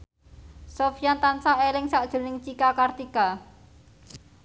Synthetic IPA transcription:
sofijant̪ansaelɪŋsaʔd̥ʒ̥o̤nɪŋt͡ʃikakart̪ika

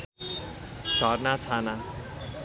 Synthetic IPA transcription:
d͡zʱʌrnat͡sʰana

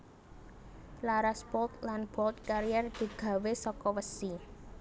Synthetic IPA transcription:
laɾaspɔlt̪lanb̥ɔlt̪̚kaɾijɛrd̪̥i̤ɡ̥ä̤wesɔkɔwəsi

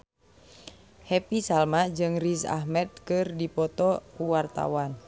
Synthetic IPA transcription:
hɛpisalmad͡ʒɨŋrisa̰ɦmɛd̪̚kɨrdipɔt̪ɔkuwart̪a̰wan

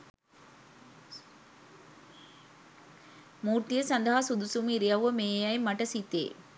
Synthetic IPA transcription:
muːɾt̪ijɐsɐnd̪ɐɦaːsud̪usumiɾijaʋʋɐmeːjajmɐʈːɐsit̪ːḛː

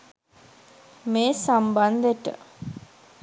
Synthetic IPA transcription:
meːsamband̪əʈə̰

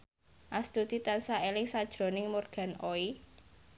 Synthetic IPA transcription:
ʔast̪ut̪it̪ansaelɪŋsad̥ʒ̥ɾo̤nɪŋmorɡ̥a̤noi

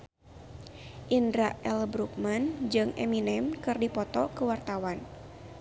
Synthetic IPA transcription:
ʔindɾaɛlbɾuk̚mand͡ʒɨŋʔɛ̰minɛmkɨrdipɔt̪ɔkəwart̪awan

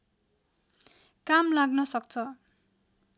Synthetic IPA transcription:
kamlaɡnʌsʌk̚t͡sʰʌ

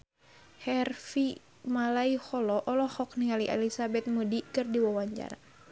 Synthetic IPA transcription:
hɛrfi | malaihɔlɔʔɔlɔhɔk̚niŋaliʔɛ̰lisabɛt̪̚mudikɨrdiwɔwaɲt͡ʃa̰ɾa̰

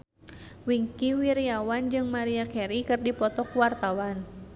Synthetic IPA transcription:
wiŋkiwiɾiawand͡ʒɨŋmaɾiakɛɾikɨrdipɔt̪ɔkwart̪awan

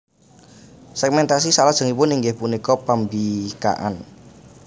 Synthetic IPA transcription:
sɛɡmɛnt̪as̬isalad̥ʒ̥ə̤ŋipʊniŋɡɪhpunikɔpambika̰ʔa̰n

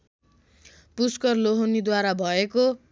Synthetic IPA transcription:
puskʌrloɦonid̪waɾabʱʌeko

